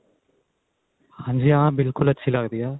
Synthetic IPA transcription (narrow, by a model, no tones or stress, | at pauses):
hɐɲd͡ʒijãːbilkulɐt͡ʃʰːilaːɡd̪ijaː